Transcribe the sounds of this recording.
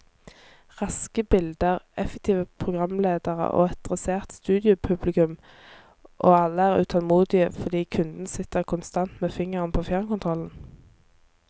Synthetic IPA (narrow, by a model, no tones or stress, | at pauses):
ʁɑskəbɪld̪əʁɛfɛk̚t̪ʰiːʋəpʰʁʊɡʁɑmleːd̪əʁə̰ʔo̰ːɛt̪̚d̪ʁɛseːʁt̪st̪ʉːd̪ɪʊpʰʉblɪkʉm | ʔoːɑlːəæːʁʉ̰ːt̪ʰɑlmuːd̪ɪə̰fɔʁd̪iːkʰʉnd̪n̩sɪt̪əʁkʰʊnst̪ɑnt̪meːfɪŋəʁənpʰoːfjɑʁmkʊnt̪ʰʁɔln̩